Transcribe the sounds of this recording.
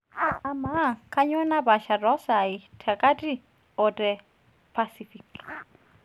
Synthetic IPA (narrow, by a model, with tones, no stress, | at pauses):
ama˦kʰʼa˦ɲɔ˦na˦ba˨ʃa˨rɔ˦sa˨itʰa˨kʼa˦tʼi˦ | ɔtʼɛ | pʰasifik